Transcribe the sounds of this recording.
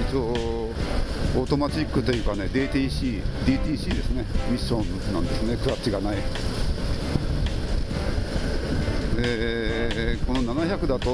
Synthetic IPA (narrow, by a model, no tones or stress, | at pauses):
it͡so | ot̪o̞mat͡ɕikːɯ̟t̪o̞jɯ̟ːkane̞d̪eːt̪iɕiːd̪ʲiːt̪ʲiːɕiːd̪e̞sɨne̞mʲiɕõ̞nːã̰nd̪e̞sɨnekɯ̟ɾat͡ɕːiɡanai | e | ko̞nonanaçakɯ̟d̪at̪o